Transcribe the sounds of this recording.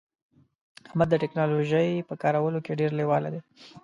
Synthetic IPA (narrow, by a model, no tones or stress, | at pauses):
ahmad̪ːəʈɪknɑloʒəjpəkɑɾawəlokeɖeɾlewɑla̰d̪e